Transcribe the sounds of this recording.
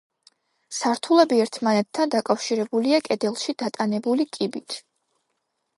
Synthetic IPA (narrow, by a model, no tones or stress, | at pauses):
saɾt̪ʰulˠɛbiɛɾt̪ʰmanɛt̪ʰːand̪akʼafʃiɾɛbuliakʼɛd̪ɛlˠʃid̪at̪ʼanɛbulikʼibit̪ʰ